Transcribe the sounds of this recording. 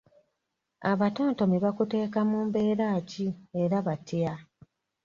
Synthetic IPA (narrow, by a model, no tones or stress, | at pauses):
aβato̞ːnto̞miβakute̞ːkamuːmbe̞ːɾaːcieɾaβatʰia